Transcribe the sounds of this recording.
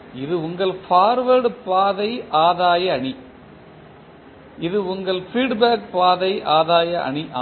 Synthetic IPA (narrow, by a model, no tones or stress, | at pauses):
ɪðɯʊŋɡɐɭfaːɾʋɐɾɖpaːðɐɪʔaːðaːjɐːɳi | ɪðɯʊŋɡɐɭfɾiːɖbaːk̚paːðɐɪʔaːðaːjɐʔɐ̰ɳiʔaː